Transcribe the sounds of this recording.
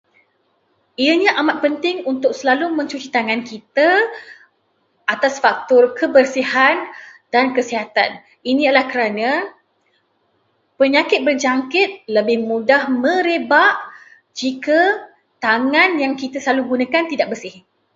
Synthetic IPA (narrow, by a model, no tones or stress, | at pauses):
iəɲãʔamat̪̚pənt̪ɪŋunt̪ʊk̚səlalumə̃ɲt͡ʃut͡ʃit̪aŋankit̪a | at̪asfak̚t̪ʊrkʰəbərsihand̥ankəsiɦat̪a̰n | inĩəlahkəɾanã | pəɲakɪt̪̚bərd͡ʒaŋkɪt̪̚ləbɪhmũdahmə̃ɾebaʔ | d͡ʒika | t̪aŋãnjaŋkit̪asəlaluɡunãkant̪idaʔ̚bərsɪh